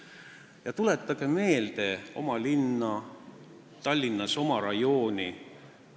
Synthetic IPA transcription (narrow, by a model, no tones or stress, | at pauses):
jɑt̪ule̞t̪ːˑɑɡ̥eme̞ːld̪̥e̞o̞̰mɑlinːɑ | t̪ɑlʲːinːɑso̞mɑɾɑjo̞ːni